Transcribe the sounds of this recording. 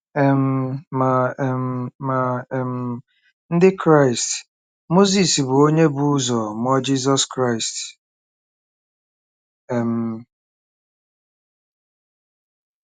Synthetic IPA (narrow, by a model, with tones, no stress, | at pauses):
ɛ˨m̩˨ma˨m˨ma˨m̩˦˨ | n̩˦dɪ˦kɾa˦ɪ˨st | mo˦zi˨si˨bʊ˨o˦ɲe˦bu˦u˦zɔ˨mɔ˦d͡ʒi˦zɔ˦skɾa˦ɪ˨st | ɛ˨m̩˨